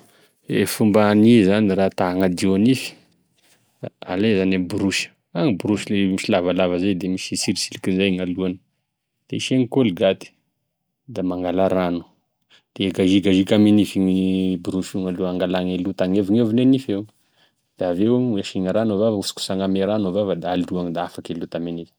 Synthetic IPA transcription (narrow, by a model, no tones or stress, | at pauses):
ḛfumbanizanirat̪aɦaŋad̪ionifi̥ | a̰lezanabuɾuʃə̥ | aŋibuɾuʃilemiʃilavalavəzajd̪emiʃisiɾisilikizajŋaluanə | d̪̥eiʃeŋikoliɡat̪i̥ | d̪amaŋɡalaɾanu̥ | d̪̥eɡaʒiɡaʒikamenifiŋibuɾuʃuŋaluaŋɡalaŋelut̪aŋeviŋevinenifew | d̪̥aveweʃiŋaɾanovavusu̥ku̥saŋameɾanuvavad̪aaluaŋid̪aafakelut̪amenifi̥